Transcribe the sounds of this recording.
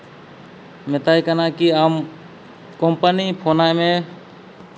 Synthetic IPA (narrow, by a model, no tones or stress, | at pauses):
met̪ajkənakiəm | kompənipʰonajmẽ